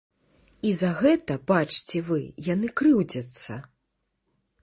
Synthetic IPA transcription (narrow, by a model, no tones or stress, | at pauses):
izaɣɛt̪ɐbat͡ʂt͡sʲɛvɨjanɨkɾɨwd͡zʲɐt̪sːɐ̰